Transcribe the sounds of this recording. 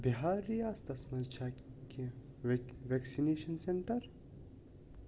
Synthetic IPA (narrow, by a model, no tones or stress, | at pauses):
biɦaːɾiaːst̪ɐsmɐzd͡ʒʰaːke | ʋɛksineːʃɐnseɳʈɐɾ